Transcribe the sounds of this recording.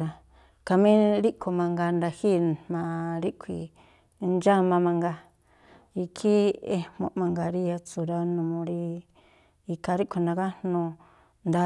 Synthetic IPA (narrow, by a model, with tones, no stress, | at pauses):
ɾa˧ | ka˧mĩ˦ɾi˦kʰo˨mã˧ŋɡa˧nɾa˧hi˦mã˧ɾi˦kʷʰḭ˧˨˧ | nd͡ʒa˦mã˧mã˧ŋɡa˧ | i˧kʰi˦e˧mõ̰˧ʔmã˧ŋɡa˨ɾi˦a˧t͡su˨ɾa˧nũ˧mõ˧ɾi˧ | i˧ka˧ɾi˦ʔkʷʰi˧nã˧ka˦n̥ũ˧ | nd̪a˧